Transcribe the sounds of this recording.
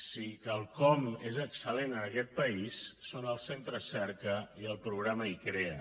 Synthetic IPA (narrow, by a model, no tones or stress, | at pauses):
sikalˠkɔmezəksəlenənəkɛt̪̚pəisːonəlˠsent̪ɾəsɛrkəiəlˠpɾuɣ̞ɾaməikɾeə